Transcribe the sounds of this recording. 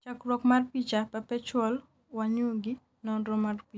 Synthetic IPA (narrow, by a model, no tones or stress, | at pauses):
t͡ʃakɾwɔkmarpit͡ʃapapɛt͡ʃɔl | waɲoɡɪ | nɔdɔmarpi